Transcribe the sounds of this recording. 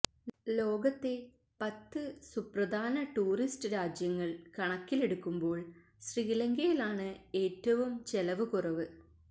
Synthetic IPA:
lo̞ːɡɐt̪ːe̞ | pɐt̪ːɨsuprɐd̪ʱaːnɐʈuːristɨɾaːd͡ʑjɐŋːɐɭkɐɳɐkːile̞ɽukːumbo̞ːɭ | ɕriilɐŋɡɐjilaːɳɨe̞ːtːɐʋumt͡ɕelɐʋɨkurɐʋɨ

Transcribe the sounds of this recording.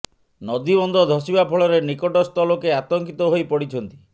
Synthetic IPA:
nɔd̪ibɔnd̪ɔd̪ʱɔsibapʰɔɭɔɾenikɔʈɔst̪ɔlokeat̪ɔŋkit̪ɔɦojpɔɽit͡ʃʰɔnt̪i̥

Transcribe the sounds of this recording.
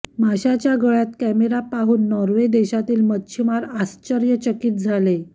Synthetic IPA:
maɕat͡ɕjaɡəɭjat̪kæmeɾapaɦuːnːɔɾʋed̪eɕat̪iːlmətːt͡ɕʰimaɾast͡ɕəɾjət͡ɕəkiːt̪̚d͡zʱale

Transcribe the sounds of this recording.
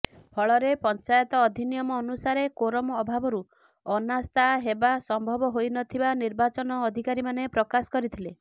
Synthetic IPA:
pʰɔɭɔɾepɔnt͡ʃajɔt̪ɔːd̪ʱinijɔmɔːnusaɾekoɾɔmɔːbʱabɔɾu | ɔnast̪aɦebasɔmbʱɔbɔɦojnɔt̪ʰibaniɾbat͡ʃɔnɔːd̪ʱikaɾimanepɾɔkasɔ̥kɔɾit̪ʰile

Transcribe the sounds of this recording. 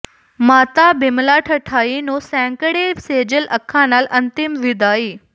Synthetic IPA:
maːt̪abɪmlaʈʰəʈʰaːinõsɛ̃ːŋkəɽeseːd͡ʑəlʔɐkʰːãnaːlɐ̃nt̪ɪmʋɪd̪aːiː

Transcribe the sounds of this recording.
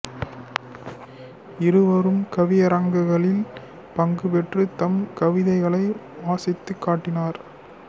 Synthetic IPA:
ɪɾɯʋɐɾɯmkɐʋɪjɐɾɐŋɡɯɣɐɭɪl | pɐŋɡɯpɛʈrɯt̪ɐmkɐʋɪðɐɪɣɐɭɐɪaːsɪt̪ːɯkːaːʈːɪnaːɾ

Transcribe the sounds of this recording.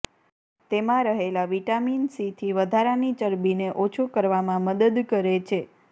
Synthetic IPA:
t̪emãɾəɦelaʋiʈaminsit̪ʰiʋəd̪ʱaɾanit͡ʃəɾbineʔot͡ʃʰukəɾʋamãməd̪əd̪kəɾet͡ʃʰe

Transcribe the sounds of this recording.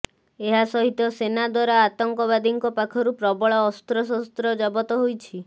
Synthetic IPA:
eɦasɔɦit̪ɔsenad̪waɾaːt̪ɔŋkɔβad̪iŋkɔpakʰɔɾupɾɔbɔɭɔːst̪ɾɔs̬ɔst̪ɾɔd͡ʒɔbɔt̪ɔɦojt͡ʃʰi

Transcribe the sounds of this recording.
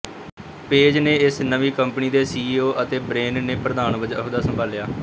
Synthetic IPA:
peːd͡ʒneːɪsnəʋiːkəmpniːd̪eːsiːiːoːʔət̪eːbɾeːnneːpɾəd̪aːnʋəd͡ʒəɦd̪aːsəmbʱaːljaː

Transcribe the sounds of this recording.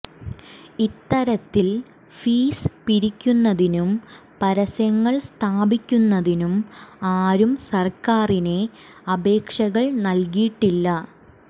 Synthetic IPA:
it̪ːɐɾɐt̪ːil | fiːspiɾikʲːunːɐðinum | pɐɾɐsjɐŋːɐɭst̪ʰaːbikʲːunːɐðinumaːɾumsɐrkaːrine̞ | ɐbe̞ːkʂɐɣɐɭnɐlkiʈːilːɐ

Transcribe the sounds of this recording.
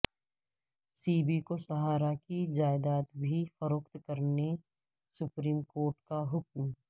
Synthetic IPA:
siːbikosɐɦaːɾakid͡ʒaːɪd̪aːt̪bʱifɐɾoːkt̪kɐɾne | sʊpɾiːmkoːɾʈkaɦʊkm

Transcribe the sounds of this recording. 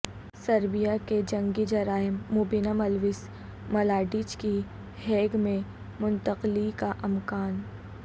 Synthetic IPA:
sɐɾbijaked͡ʒɐ̃ŋɡid͡ʒɐɾaːɪmːʊbinamɐlʋɪs | mɐlaːɖiːt͡ʃki | hɛːɡmẽ | mʊnt̪əqlikaʔɐmkaːn

